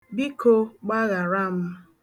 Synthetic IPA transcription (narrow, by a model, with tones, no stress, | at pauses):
bi˦ko˦ɡ͡ba˦ɣa˨ɾa˦m̩˦